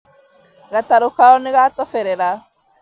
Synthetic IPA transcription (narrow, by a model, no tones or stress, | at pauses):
ɡataɾukaoniɡatofeɾeɾa